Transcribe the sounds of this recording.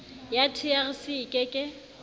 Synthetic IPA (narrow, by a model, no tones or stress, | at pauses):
jatʰiaɣɪsɪkʼɪkʼɪ